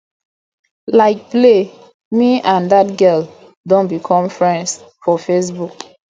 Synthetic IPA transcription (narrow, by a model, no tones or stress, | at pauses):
laɪk̚ple | miãndat̚ɡɛl | dõnbikʰɔ̃mfɹɛ̃nds | fɔfes̬buk